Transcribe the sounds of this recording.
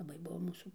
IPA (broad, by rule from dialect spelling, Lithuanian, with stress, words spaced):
lˠɐˈbɐɪ ˈbʊʋoː ˈmuːsuː